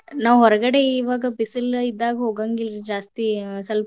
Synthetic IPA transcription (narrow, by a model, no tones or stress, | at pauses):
naʋɦɔɾɡɐɽeiʋaɡɐpisəlid̪aːɡɦoːɡaŋɡilɾid͡ʒaːst̪isɐl